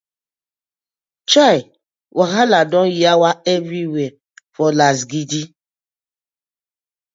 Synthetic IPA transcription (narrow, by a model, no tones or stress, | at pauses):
t͡ʃaj | wʔaɦaladɔ̃jiawaɛvɾiwɛ | fɔlasɡidi